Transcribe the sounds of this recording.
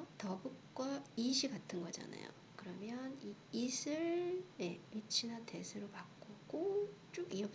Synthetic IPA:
tʌbɯk̚k͈waiɕ̬ʰiɡatʰɯnɡʌd͡ʑa̰na̰jo̰ | kɯɾʌmjʌniisʰɯɭne̞it͡ɕʰinate̞sʰɯɾopakk͈oɡot͡ɕ͈oɡiʌp

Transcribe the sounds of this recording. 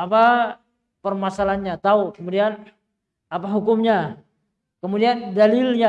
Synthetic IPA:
apa | pərmasalanɲat̪aukəmudian | apaɦukʊmɲa | kəmudiandalɪlɲa

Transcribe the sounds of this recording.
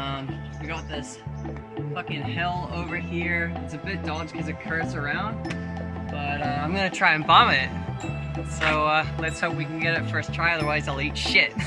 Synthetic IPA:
ʌ̃mwiɡɑt̪̚ðɪs | fʌkɪ̃ŋhɛlˠoʊvə˞hiɹɨtsɨbɪt̚d̥ɔd͡ʒ̥kʰʌzɨt̚kʰɜ˞sə˞ãʊ̃nd̚b̥ʌɾʌãɪ̃mɡʌnɨtʰɹ̥aɪɨ̃nbɑmɪt̚ | soʊʌlɨtshoʊp̚wikn̩ɡɛɾɪtfɜ˞stʰɹ̥aɪʌðə˞waɪzaɪlˠit͡ʃʃɪt̚

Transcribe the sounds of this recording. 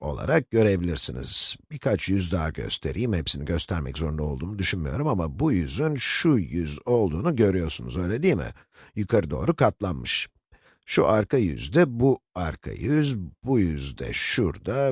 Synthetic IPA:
o̞̰lˠa̰ɾak̚ɟø̞ɾebilʲiɾsinḭz̥bikʰat͡ʃjyzd̪aːɟø̞̰st̪ʰe̞̰ɾijimhɛpsiniɟø̞st̪ʰæɾmɛ̰czo̞ɾund̪ao̞lˠd̪uːmnud̪yʃynmijo̞ɾumamabujyzynʃujyzo̞lˠd̪uːnuɟø̞ɾyjo̞ɾsunṵzø̞jlʲed̪iːmɪ̰ | jukʰaɾɯd̪o̞ːɾukʰat̪lˠanmɯʃ | ʃuʔaɾkʰajy̰zd̪ɛbuaɾkʰa̰jyzbujyzd̪ɛ̰ʃuɾd̪a

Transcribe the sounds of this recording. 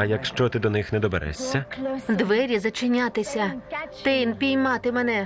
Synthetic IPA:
ɐjɐkʃt͡ʃɔt̪ɪd̪ɔnɪxnɛd̪ɔbɛɾɛ̰sʲːɐd̪ʋɛɾʲizɐt͡ʃɪnʲat̪ɪsʲɐt̪ɪnpʲijmɑt̪ɪmɛnɛ

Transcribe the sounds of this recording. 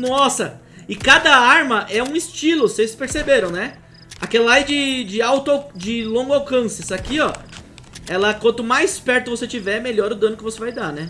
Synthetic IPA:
nɔsɐ | ɪkad̪ɐaɾmɐʔɛũɪst͡ʃilʊsejspeɾsebeɾɐ̃w̃nɛ | akɛlɐajd͡ʒɪd͡ʒɪawt̪ʊawd͡ʒɪlõŋɡʊawkɐ̃sɪɛsakiɔ | ɛlɐkwɐ̃nt̪ʊmajspɛɾt̪ʊvoset͡ʃivɛmeʎɔɾʊd̪ɐ̃nʊkɪvosevajd̪anɛ

